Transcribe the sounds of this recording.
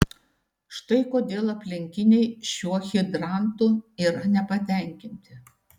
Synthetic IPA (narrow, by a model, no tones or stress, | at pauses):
ʃt̪ɐɪkoːd̪ʲeːlˠɐpʲlʲɪŋʲkʲɪnʲɛɪʃʲuɔxʲɪd̪ɾɑˑnt̪ʊiːɾɐnʲɛpɐt̪ʲɛˑŋʲkʲɪnʲt̪ʲɪ